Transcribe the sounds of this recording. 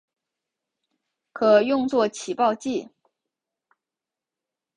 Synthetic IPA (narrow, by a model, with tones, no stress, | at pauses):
kʰɤ˨˩jʊ˥˧ŋt͡swɔ˥˩t͡ɕʰi˨˩pɑ˥˧ʊt͡ɕi˥˩